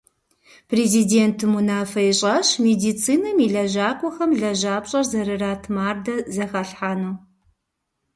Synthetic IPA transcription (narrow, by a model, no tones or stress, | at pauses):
pʰreziːdeːntʰɨmunaːfɐjɕʼɐɕmediːt͡sʰʼiːnɐmiɮɐʑaːkʷʼɔxɐmɮɐʒaːpɕʼɐrzɐɾɨraːtʰmaːrdɐzɐxɐɬħaːnuː